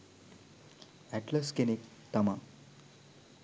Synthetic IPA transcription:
ɛʈləskenik | t̪ɐma

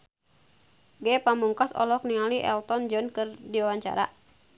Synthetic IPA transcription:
ɡɛpamuŋkasɔ̰lɔk̚niŋaliʔɛ̰lt̪ɔnd͡ʒɔnkɨrdiwawaɲt͡ʃa̰ɾa̰

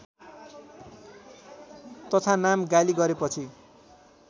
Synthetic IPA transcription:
t̪ʌt̪ʰanamɡaliɡʌɾepʌt͡sʰi

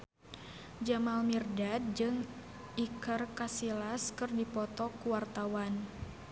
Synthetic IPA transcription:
d͡ʒamalmirdad̪̚d͡ʒɨŋ | ʔikərkasilaskɨrdipɔt̪ɔkuwart̪awan

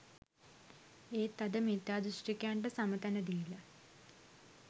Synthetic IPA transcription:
eːt̪ɐd̪əmid̪jaːd̪ɾuʂʈikjaːɳʈəsamət̪ænəd̪ijilɐ

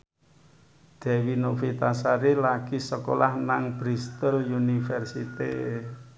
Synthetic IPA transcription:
d̪̥ɛ̤winofit̪asaɾilaɡ̥isəko̰lʔahnaŋb̥ɾist̪əljunifɛrsit̪ḛ

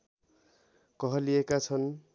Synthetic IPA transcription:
kʌɦʌlijekat͡sʰʌn

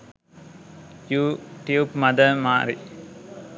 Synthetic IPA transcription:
juːʈjuːpmɐd̪əmaːɾi

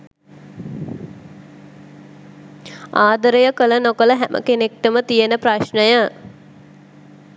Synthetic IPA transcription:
aːd̪əɾəjəkələnokələɦæmʔə̰kenek̚ʈəmət̪ijənəpɾaʃnəjə

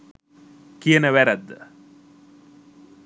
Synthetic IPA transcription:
kijənəʋæɾæd̪ːə̰

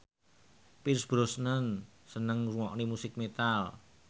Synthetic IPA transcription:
pɪrsb̥ɾosnən | sənəŋuŋɔʔnimusɪk̚met̪al

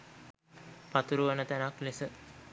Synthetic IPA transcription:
pat̪uɾuʋənət̪ænaklesə

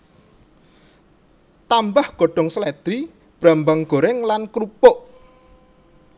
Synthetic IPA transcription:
t̪ambahɡ̥o̤ɖ̥ɔ̤ŋsəlɛd̪̥ɾi | b̥ɾambaŋɡ̥o̤ɾɪŋlankɾupʊʔ

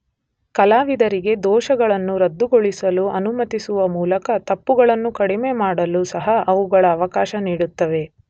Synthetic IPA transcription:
kɐlaːʋid̪ɐɾiɡe̞d̪ɔːʃɐɡɐɭɐnːuɾɐd̪ːuɡoɭisɐluʔɐnumɐt̪isuʋɐmuːlɐkɐt̪ɐpːuɡɐɭɐnːukɐɽime̞maːɽɐlusɐɦɐʔɐʋuɡɐɭɐːʋɐkaːʃɐniːɽut̪ːɐʋe̞

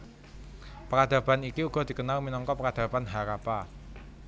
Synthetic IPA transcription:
pəkad̪̥a̤b̥anikiuɡ̥ɔ̤d̪̥i̤kənalminɔŋkɔpəkad̪̥a̤banɦaɾapa

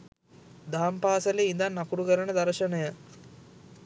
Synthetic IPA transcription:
d̪aːmpaːsəleind̪anːakuɾukəɾənəd̪aɾʃənəjə

